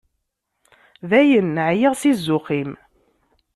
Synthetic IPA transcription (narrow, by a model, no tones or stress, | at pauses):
ðæjənːəʕjəʁsizːʊqim